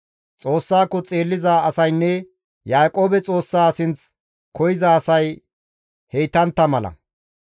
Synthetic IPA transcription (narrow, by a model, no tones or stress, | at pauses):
t͡sʼo̞ːsːaːkːɔt͡sʼe̞ːlːɪzaɐsɐjnːɛ | jaːkʼo̞ːbɛt͡sʼo̞ːsːaːsɪnt͡s | kʰɔjɪzɐːsɐj | he̞jt̪ːɐnt̪ːɐmɐlɐ̰